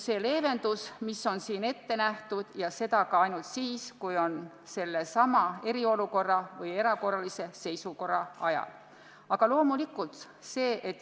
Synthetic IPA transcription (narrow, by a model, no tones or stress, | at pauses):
se̞ːle̞ːve̞nd̪̥usmisːo̞nsiːne̞t̪ːe̞næht̪ud̪̥jɑse̞d̪̥ɑkɑɑjnult̪siːskujo̞n | se̞lːesɑmɑe̞ɾio̞luko̞rːɑvɤje̞ɾɑko̞rːɑlise̞se̞jsuko̞rːɑɑjɑ̰l | ɑɡ̥ɑlo̞ːmulikult̪ | se̞ːʔet̪ːˑ